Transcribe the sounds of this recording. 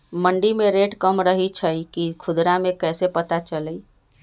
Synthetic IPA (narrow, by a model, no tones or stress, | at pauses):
məɳɖimeɾeʈkəmɾəɦit͡ʃʰəjkikʰud̪ɾamekəsepət̪at͡ʃələj